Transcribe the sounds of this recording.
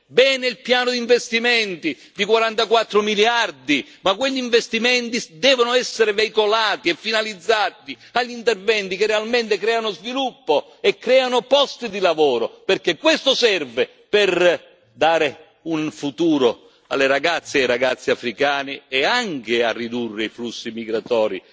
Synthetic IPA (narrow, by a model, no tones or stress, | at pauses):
bɛːnɪilpjaːnʊd̪iɱvest̪imɛnt̪i | d̪ikwaɾant̪akwat̪ːɾʊmiljard̪i | makweʎːiɱvest̪imɛnt̪id̪ɛːvonʊɛsːeɾɪveikolaːt̪iɛfːinalid̪zːaːt̪i | aʎːint̪ervɛnt̪ikɪrːealment̪ɪkɾɛːanozvilupːo | ɛkːɾɛːanʊpɔst̪id̪ilavɔːɾoperkekːwest̪ʊsɛrvɪ | pɪr | d̪aːɾɪ | unfut̪uːɾo | a̰lːɪɾaɡat̪sːiajɾaɡat̪sːiafɾikaːnɪɛaŋkɪarːid̪urːɪiflusːimiɡɾat̪ɔːɾḭ